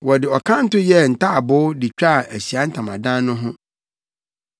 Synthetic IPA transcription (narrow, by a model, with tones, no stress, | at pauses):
wɔ˨dɪ˨ɔ˨kʰã˦n̩˦tʊ˦jɛ˦˨n̩˨tʰa˦a˨bʊː˦dɪ˨t͡ɕᶣa˦˨æ˨ɕi˨a˦n̩˦tʰã˨mã˨dã˦n˦nʊ̃˦ɦʊ̃˦